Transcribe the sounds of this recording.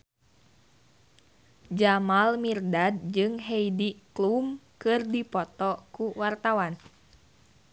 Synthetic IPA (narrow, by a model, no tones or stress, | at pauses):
d͡ʒamalmirdad̚d͡ʒɨŋɦɛidiklumkɨrdipɔt̪ɔkuwart̪awan